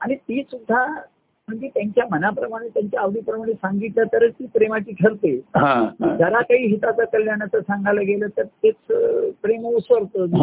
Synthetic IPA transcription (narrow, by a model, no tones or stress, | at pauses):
aɽ̃it̪iːsud̪ʱːa | m̤əɳd͡ʑet̪jaɲt͡ɕjamənapɾəmaɽ̃et̪jaɲt͡ɕjaːʋɽiːpɾəmaɽ̃esãŋɡiʈ̪lat̪əɾət͡st̪iːpɾemat͡ɕiːkʰəɾt̪eɦãd͡zəɾakaɦiːɦit̪at͡sakəljanat͡səsãŋɡʱajləɡʱeləːt̪əɾt̪et͡spɾeməusʋəɾt̪o